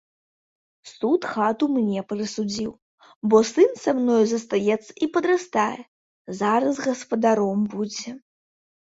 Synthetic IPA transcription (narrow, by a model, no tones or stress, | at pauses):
sut̪xat̪umnʲɛpɾɨsud͡zʲiw | bɔsɨnsamnɔjzɐst̪ajɛt̪sːɐ̥ʔipɐd̪ɾast̪ajɛ | zaɾɐzɣɐspɐd̪aɾɔmbud͡zʲɛ